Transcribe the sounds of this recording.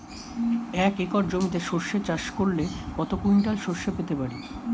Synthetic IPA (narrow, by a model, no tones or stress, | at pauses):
ɛkekɔɾd͡ʑomit̪eʃoʃet͡ɕaʃkoɾlekɔt̪okujnʈalʃoʃepet̪epaɾe